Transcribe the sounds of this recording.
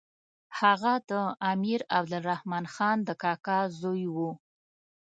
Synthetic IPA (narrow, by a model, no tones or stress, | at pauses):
haɣad̪əamiɾab̚d̪ʊlɾahmɑnxɑnd̪əkɑkɑzojwu